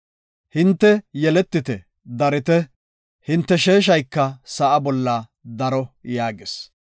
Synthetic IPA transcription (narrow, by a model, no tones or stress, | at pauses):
hɪnt̪ːɛjɛlɛt̪ːɪt̪ɛ | d̪ɐɾɪt̪ɛ | hɪnt̪ːɛʃe̞ːʃ̬ɐjkːɐsɐʔɐbɔlːɐ | d̪ɐɾɔjaːɡɪs